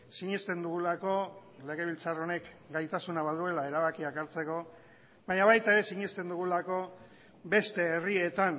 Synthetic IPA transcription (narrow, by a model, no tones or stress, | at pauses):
siɲest̪e̞nd̪uɣulako̞le̞ɣ̞e̞βilt͡saro̞ne̞k | ɡajt̪asunaβaðue̞lae̞ɾaβakiakaɾt͡se̞ko̞ | βaɲaβajt̪aeɾe̞siɲest̪e̞nd̪uɣ̞ulako̞ | be̞st̪e̞ːrie̞t̪an